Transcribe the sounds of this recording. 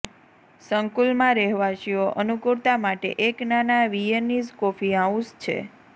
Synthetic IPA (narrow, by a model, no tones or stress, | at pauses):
səŋkulmãɾɛɦʋaʃioʔənukuɾt̪amaʈḛʔeknanaʋieniskofiaũst͡ʃʰḛ